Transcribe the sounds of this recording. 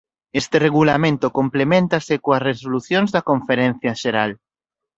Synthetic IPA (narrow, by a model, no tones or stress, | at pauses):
est̪ereɣ̞ulamẽnt̪okomplemẽnt̪asekoasresoluθjõnzðɐkõɱfeɾen̟θjaʃeɾal